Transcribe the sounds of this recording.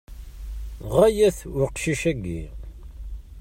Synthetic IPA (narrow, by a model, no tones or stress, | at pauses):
ʁæjæθʊɾqʃiʃæɡːḭ